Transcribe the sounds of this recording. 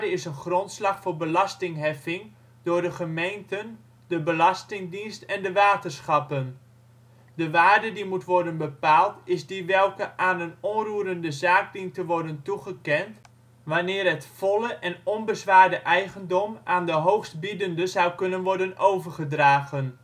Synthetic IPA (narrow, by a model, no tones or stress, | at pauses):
dəɪsənχrɔntslɑχfʊːɹbəlɑstɪŋɦɛfɪŋ | dʊːɹdəχəmejntən | dəbəlɑstɪŋdinstɛndəʋaːtərsχɑpən | dəʋaːrdədimutʋɔrdənbəpaːlˠtɪzdiʋɛlˠkəʔaːnənɔnruəɾəndəzaːk̚dintəʋɔrdəntuχəkɛnt | ʋanɪːrɦətfɔlˠəʔɛnɔnbəzʋaːrdəʔɛjɣəndɔmaːndəɦowxst̚bidəndəzawkɵnənʋɔɹdənowvərχədraːɣən